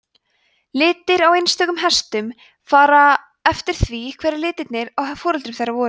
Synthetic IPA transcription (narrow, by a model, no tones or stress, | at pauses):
lɪːt̪ɪɾawejnst̪œːɣʏmɦɛst̪ʏm | faːɾa | ɛft̪ɪɾ̥θvikʰvɛːɾɪɾlɪːt̪ɪt̪nɪɾawɦɛfɔːɾʏlt̪ɾʏmθejrːavɔːɾ